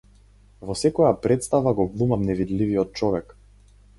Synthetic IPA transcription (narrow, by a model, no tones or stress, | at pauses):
vɔsɛkɔjapɾɛt̪st̪avaɡɔvlˠumamnɛvid̪livijɔt̪̚t͡ʃɔvɛk